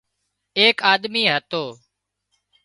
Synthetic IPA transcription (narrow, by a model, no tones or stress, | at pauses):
eːkaːɗ̪miːɦət̪oː